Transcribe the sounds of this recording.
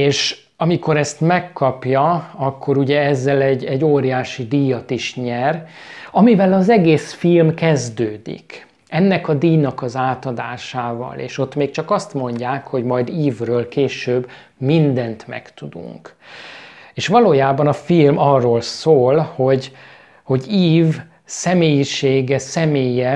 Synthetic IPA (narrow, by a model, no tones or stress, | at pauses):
eːʃ | ɒmiko̞ɾɛst̪mɛkːɒpjɒɒkːo̞ɾuɟɛɛzːɛlɛɟːɛɟːoːɾijaːʃid̪ijɒt̪iʃɲɛr | ɒmivɛlɒzɛɡeːsfilmkɛzd̪øːd̪ḭk | ɛnːɛkɒd̪iːnɒkɒzaːt̪ɒd̪a̰ːʃaːvɒ̰lḛːʃo̞t̪ːmeːk̚t͡ʃɒkɒst̪mo̞ɲɟaːkho̞ɟmɒjd̪iːvrøːlkeːʃøːb | mind̪ɛnt̪mɛ̰kt̪ud̪ṵŋk | eːʃʋɒloːjaːbɒnɒfilmɒrːoːlsoːlho̞ɟ | ho̞ɟiːv | sɛmeːjiʃeːɡɛsɛmeːjɛ